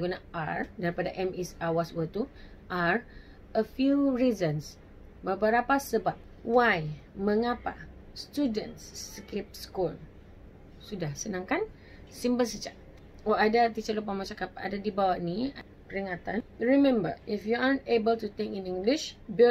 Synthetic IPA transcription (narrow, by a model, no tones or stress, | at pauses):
ɡunaaɹdaɾipadaʔɛmɛsawaswət̪u | ʔaɹ | əfjuɹizə̃ns | bəbəɾapasəbap̚ | wajmə̃ŋapa | st̪udə̰̃nsːəkip̚skul | sudahsənãŋkan | simbəlsəd͡ʒaʔ̚ | oadat̪it͡ʃəlup̬amat͡ʃakapa̰dadibawaʔnia | pəɾiŋat̪anɹimɛ̃mbə̰ifjuantebəltut̪ɪ̃ŋkĩnĩŋɡliʃbi